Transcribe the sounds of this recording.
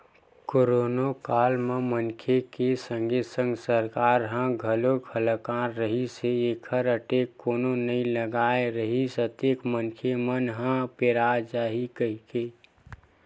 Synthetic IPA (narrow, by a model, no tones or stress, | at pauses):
koɾoːnokaːlmemənkʰekesə̃ŋɡʱesə̃ŋɡsəɾkaːɾɦə̃ɡʱəlokʰələkaːɾːəɦiseːkʰəɾəʈekoːnonəĩləɡaːeɾəɦisət̪ekmənkʰemənɦə̃peɾad͡ʒaːɦikəɦke